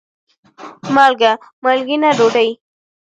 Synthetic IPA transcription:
malɡa | malɡɪnaɖoɽaj

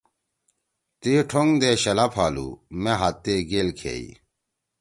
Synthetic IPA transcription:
t̪iʈʰoŋd̪eːɕɐlapʰaːlṵmeɦat̪ːeɡeːlkʰḛːi

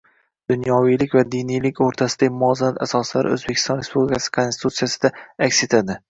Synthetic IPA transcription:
d̪̥ʊnjɒwijlɪkʲvad̪inijlɪkʲoɾt̪ʰasɪd̪aɡʲɪmʊɒzanat̪asɒslaɾɪ̰ɵ̰zbekʲʰɪ̥st̪ɒnɾe̞spublʲɪkʲʰasɪ̥kʰonst̪ɪ̥t̪ʰut̪sijasɪd̪aakʲse̞t̪ʰad̪ɪ

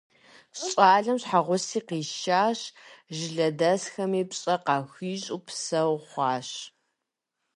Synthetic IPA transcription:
ɕɕʼaːɮɐmɕħaʁʷʊsiːqiːʃaːɕʒɪɮɐdɐsxɐmiːpɕʼɐqɑːxʷiːɕʼupʰsɐwχʷɑːɕ

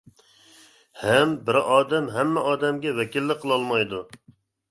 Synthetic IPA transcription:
hɛmbɪɾɑːd̪ɛmɦæmːɛʔɑːd̪ɛmɡʲɛwɛkʲilːɪqʰəlˠɑlˠmɑjd̪u

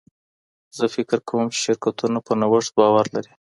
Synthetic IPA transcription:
zəfɪkɪɾkʰawəmt͡ʃɪʃɪɾkat̪unopənawəʂt̪̚bɑwaɾlaɾi

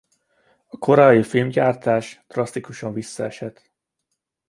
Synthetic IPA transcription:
ɒkʰo̞ɾɒifilmɟaːrt̪aːʃd̪̥rɒst̪ikuʃɒɱvisːɒɛʃɛt̪

